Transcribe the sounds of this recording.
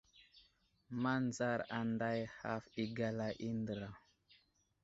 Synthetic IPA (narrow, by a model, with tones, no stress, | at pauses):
ma˦nza˦ɾa˨nda˦jha˦fi˨ɡa˨la˨ʔi˦ndə˨ɾa˨